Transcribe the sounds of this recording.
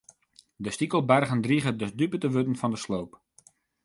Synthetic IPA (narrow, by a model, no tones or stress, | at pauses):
dəstikəlˠbɛrɣəndriɣədədypətəʋøtənfɔndəslowp